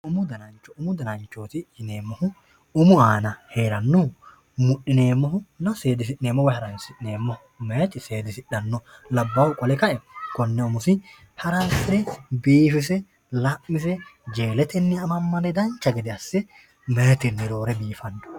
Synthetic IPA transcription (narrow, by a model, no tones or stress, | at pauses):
ʊmʊd̪ɐnɐnt͡ʃːɔʊmʊd̪ɐnɐnt͡ʃːoːt̪ɪɪneːmːɔhʊ | ʊmʊaːnɐheːɾɐnːɔ | mʊɗːɪneːmːɔɦʊnɐse̞ːd̪ɪs̬ɪneːmːɔwɔjhɐɾɐnsɪneːmːɔh | meːt̪ʼɪseːd̪ɪsɪᶑɐnːɔlɐbːɐwʊkʼɔlɛkɐʔɛkɔnːɛʊmʊsɪ | hɐɾɐnsɪɛbiːfɪs̬ɛ | lɐʔːɪs̬ɛd͡ʒeːlɛt̪ɛnːɪɐmɐmːɐnɛd̪ɐnt͡ʃːɐɡɪd̪ɪɐsːɛ | meːt̪ɪnːɪɾo̞ːɾɛbiːfɐnːɔ̥